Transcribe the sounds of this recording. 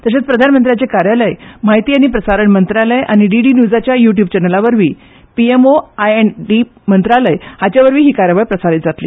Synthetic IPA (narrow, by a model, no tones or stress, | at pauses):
t̪əɕ̬et͡spɾəd̪ʱanmənt̪ɾjat͡ɕekaɾjaləjmaɦit̪iːaɽ̃ipɾəsaɾəɳmənt̪ɾaləjʔaɽ̃iɖiɖiːnjuːd͡zat͡ɕjajuʈ̬jub̚t͡ɕɛnəlaʋəɾʋiː | piemoajeɳɖi | mənt̪ɾaləjhat͡ɕjaʋəɾʋiːɦiːkaɾjəʋajpɾəsaɾit̪̚d͡zat̪lḭː